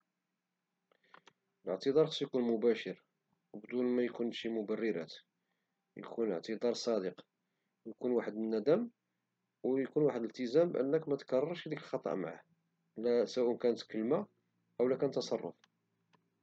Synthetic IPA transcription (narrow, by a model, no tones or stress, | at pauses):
ələʕt̪əd̪ˤɑɾˤxsˤːjkunmʊbæʃəɾ | wbd̪unmæjkunʃimʊbærːəɾæ̰t̪ | jkʰunə̰ʕt̪əd̪ɑɾˤsˤɑd̪əq | wjkunwaħəd̪nːæd̪æm | wjkunwaħəd̪əlt̪əzæmbʔə̰nːəkmæt̪kɑrˤɑɾˤʃd̪ikəlxɑt̪ˤːɑ̰ʔma̰ʕa̰h | læswæʔənkænət̪kəlːma | ʔəwlækænt̪ːɑsˤɑrˤːʊ̰f